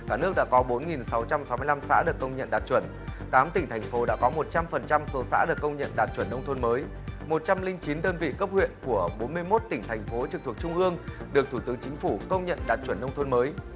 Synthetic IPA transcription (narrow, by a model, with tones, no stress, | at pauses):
kaː˧˩nɨ˦˥ək̚ɗa̰ː˧˥kɔ˨˦ɓo˨˦nŋi˨˩nsa˨˦wt͡ɕa˧msa˨˦wmɨ˧əla˧msa̰ː˧˥ɗɨ˨˩əkːə˧wŋ͡mɲə̰˧˨nɗaː˨˩t̚t͡ɕwə˧˩n | t̪aː˨˦mt̪ï˩ŋ̟t̪ʰa˨˩jŋ̟fo˨˦ɗa̰ː˧˥kɔ˨˦mo˨˩t̚t͡ɕa˧mfə˨˩nt͡ɕa˧mso˨˦sa̰ː˧˥ɗɨ˨˩əkːə˧wŋ͡mɲə̰˧˨nɗaː˨˩t̚t͡ɕwə˧˩nːə˧wŋ͡mt̪ʰo˧nməː˨˦j | mo˨˩t̚t͡ɕa˧mlï˧ŋt͡ɕi˨˦nɗəː˧nvḭ˧˨kə˦˥p̚hwḭ˧˨ənku˧˩əɓo˨˦nmɨ˧əjmo˦˥t̚t̪ï˧˩ŋ̟t̪ʰa˨˩jŋ̟fo˨˦t͡ɕɨ˨˩k̚t̪ʰək̚t͡ɕʊ˧ŋ͡mʔɨ˧əŋɗɨ˨˩ək̚t̪ʰu˧˩t̪ɨ˨˦ŋt͡ɕï˨˦ŋ̟fu˧˩kə˧wŋ͡mɲə̰˧˨nɗaː˨˩t̚t͡ɕwə˧˩nːə˧wŋ͡mt̪ʰo˧nməː˨˦j